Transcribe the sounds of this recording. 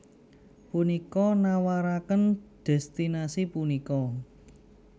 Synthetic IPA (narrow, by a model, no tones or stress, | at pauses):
punikɔnawaɾakənd̪̥ɛ̤st̪inasipunikɔ